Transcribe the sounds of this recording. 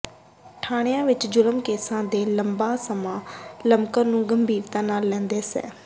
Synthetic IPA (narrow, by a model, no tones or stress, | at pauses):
ʈʰaːɽ̃ɪjãːʋɪt͡ʃd͡ʒʊləmkeːsãːd̪eːləmbaːsəmãːləmkəɾnũːɡəmbʱiːɾt̪ãːnaːlːɛ̃ːnd̪eːsɛ̰ː